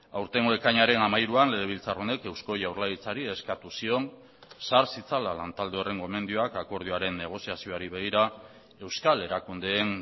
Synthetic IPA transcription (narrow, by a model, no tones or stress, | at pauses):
awɾt̪e̞ŋɡo̞e̞kaɲaɾe̞namajɾuanle̞ðe̞β̞ilt͡saro̞ne̞ke̞wsko̞ʝawɾlaɣit͡saɾie̞skat̪usio̞n | saɾsit͡salalant̪ald̪eere̞ŋɡo̞eme̞nd̪io̞akako̞ɾð̞ioaɾe̞nːe̞ɣ̞o̞siasio̞aɾiβe̞ɣ̞iɾa | e̞wskale̞ɾakund̪e̞ːn